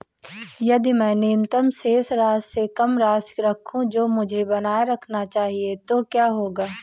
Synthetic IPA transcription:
jɐd̪imɛ̃ːneːnt̪əmseːsɾaːssekɐmɾaːskɾɐkʰũd͡ʒoːmʊd͡ʒʱebɐnaːɾɐkʰnat͡ʃaːɦiet̪okjaːɦoːɡaː

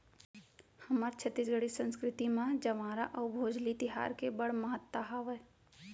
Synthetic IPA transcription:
hɐmaːɾt͡ʃʰət̪ːisɡəɽisə̃nskɾɪt̪imãd͡ʒɐʋãːɾa̰ʔɐbʱoːd͡ʒlit̪ɪɦa̰ːɾkebɐɽ̤məɦət̪ːaɦaːʋə

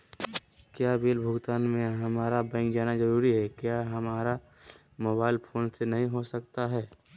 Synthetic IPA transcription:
kjaːbeːlbʱʊɡt̪aːnmẽɦɐmaːɾabɛ̃ɪ̃ŋkd͡ʒaːnazɐɾuːɾiɦɛkjaːɦɐmaːɾa | moːβaːɪlpʰoːnsenɐɦĩɦosɐkt̪aɦɛː

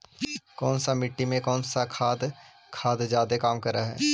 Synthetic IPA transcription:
kɔːnsamɪʈːimẽkɔːnsakʰaːd̪ | kʰaːd̪d͡ʒjaːd̪ekaːmkɐɾaɦɛ̰ː

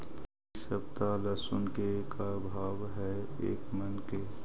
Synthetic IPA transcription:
səb̚t̪alɐsʊnkekabʱaːʋɦɛeːkmənke

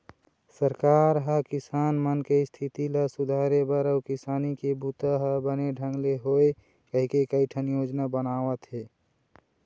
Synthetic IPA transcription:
səɾkaɾɦəkɪsaːnmənkest̪ʰit̪iləsud̪ʱaːɾebəɾəʊkɪsaːnikebut̪əɦəbəneɖʱə̃ŋɡleɦoe | kəɦikekəiʈʰənjod͡ʒnabənaːʋət̪ɦe

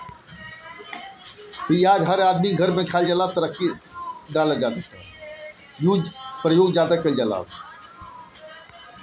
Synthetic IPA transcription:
piaːd͡ʒɦəɾaːd̪miɡʱəɾmẽkʰald͡ʒalaːt̪əɾəkːiɖaːləd͡ʒaːd̪akə̰ | juːd͡ʒpɾəjoːɡd͡ʒaːd̪akəld͡ʒaːla̰ːd

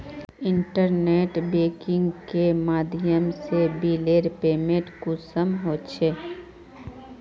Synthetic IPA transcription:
ɪɳʈəɾneːʈbeːkɪ̃ŋɡkemaːd̪ʱɪjəmsebiːleːɾpeːmẽʈkusəmɦoːt͡ʃʰeː

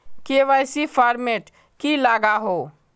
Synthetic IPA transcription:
kieʋajsipʰaːɾmeʈ | kilaːɡaɦoː

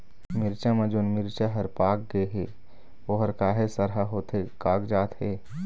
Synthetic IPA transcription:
mɪɾt͡ʃamɐ̃d͡ʒoːnmɪɾt͡ʃaɦɐɾpaːk̚ɡəeɦeː | ʋoːɦəɾkaːɦesəɾɦaɦoːt̪ɦekaːkd͡ʒaːt̪ɦeː

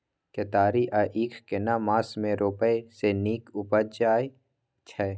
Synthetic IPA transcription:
ket̪aːɾiʔaʔiːkʰkenamãːsmẽɾoːpəeseniːkʊpəd͡ʒaːe | t͡ʃʰɛ

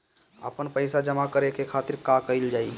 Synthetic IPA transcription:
ə̰pənpəɪsad͡ʒəmakəɾekekʰaːt̪ɪɾkakəɪld͡ʒaːi

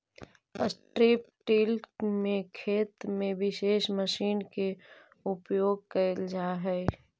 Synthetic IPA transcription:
əsʈɾiːp̚ʈilkmẽkʰeːt̪mẽʋɪʃeːʃməʃiːnke | ʊpjoːɡ̚kəld͡ʒaːɦɛː

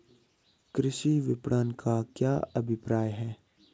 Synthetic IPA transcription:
kɾɪʃiʋɪpɽaːnkakjaːɐbʱɪpɾaːjɦɛː

